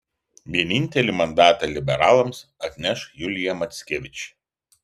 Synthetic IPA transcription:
ʋʲiɛnʲɪnʲˑt̪ʲɛlʲiˑmɐnd̪ɑːt̪ɑlʲɪbʲɛɾɑːlˠɐmsɐt̪ʲnʲɛʃjʊlʲɪjɛmɐt̪ʲsʲkʲeːʋʲɪt͡ʃʲ

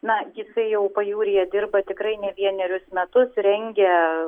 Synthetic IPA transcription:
nɐjɪsɐɪjɛʊpɐjuːɾʲɪjɛd̪ʲɪrbɐt̪ʲɪkɾɐɪnʲɛʋʲiɛnʲɛɾʲʊsmʲɛt̪ʊsɾʲɛŋʲɡʲɛ

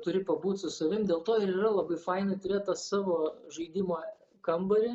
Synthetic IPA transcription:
t̪ʊɾʲɪpɐbuːt̪ʲsʊsɐʋʲɪmdʲeːlˠt̪oːɪɾiːrɐlˠɐbɐɪfɐɪnɐɪt̪ʊɾʲeːt̪̚t̪ɐssɑːʋoːʒɐɪd̪ʲɪmoː | kɐmbɐɾʲɪ

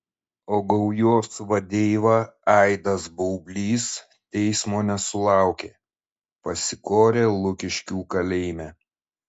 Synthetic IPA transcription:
oːɡɐʊjoːsʋɐd̪ʲeːʋɐɑɪd̪ɐsbɐʊbʲlʲiːs | t̪ʲɛɪsmoːnʲɛsʊlˠɑˑʊkʲeː | pɐsʲɪkoːɾʲeːlˠʊkʲɪʃʲkʲuːkɐlʲɛɪmʲæː

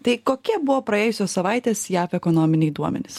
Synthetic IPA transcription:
t̪ɐɪkoːkʲiɛbʊʋoːpɾɐeːjʊsʲoːssɐʋɑɪt̪ʲeːsjæːfɛkoːnoːmʲɪnʲɛɪd̪uɔmʲɛ̰nʲɪs

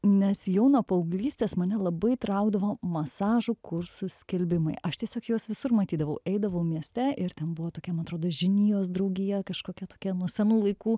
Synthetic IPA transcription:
nʲɛsjɛʊnoːpɐʊɡlʲiːsʲt̪ʲeːsmɐnʲɛlˠɐbɐɪt̪ɾɐʊɡd̪ɐʋoːmɐsɑːʒʊkʊɾsʊsʲkʲɛlʲbʲɪmɐɪʔɐʃt̪ʲiɛsʲoːkjuɔsʋʲɪsʊrmɐt̪ʲiːd̪ɐʋɐʊʔɛɪd̪ɐʋɐʊmʲiɛsʲt̪ʲɛʔɪɾt̪ʲɛnbʊʋoːt̪oːkʲɛmɐnɐt̪ɾoːd̪oːʒʲɪnʲijoːsd̪ɾɐʊɡʲɪjɛkɐʃkoːkʲɛt̪oːkʲɛnuɔsʲɛnuːlˠɐɪkuː

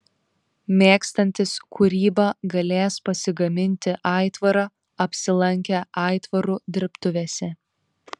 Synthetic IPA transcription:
mʲeːkst̪ɐnʲt̪ʲɪskʰʊɾʲiːbɑɡɐlʲeːspɐsʲɪɡɐmʲɪnʲt̪ʲɪʔɑˑɪt̪ʋɐɾɑ | ɐpʲsʲɪlˠɐŋʲkʲɛʔɑˑɪt̪ʋɐɾud̪ʲɪɾpt̪ʊʋʲeːsʲɛ

